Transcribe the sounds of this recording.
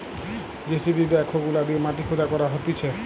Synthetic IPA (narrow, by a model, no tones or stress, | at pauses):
d͡ʒesibibɛkʰoɡulad̪iemaʈikʰud̪akɔɾaɦot̪it͡ʃʰe